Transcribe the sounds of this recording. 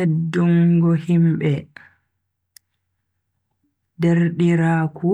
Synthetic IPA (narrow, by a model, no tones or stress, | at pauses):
edːuŋɡɔhimɓɛ | deɾɗiɾaːku